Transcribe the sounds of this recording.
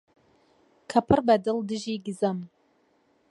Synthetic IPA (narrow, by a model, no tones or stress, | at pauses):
kʰɐpʰɨrbɐd̪ɨld̪ɨʒiːɡɨzɐm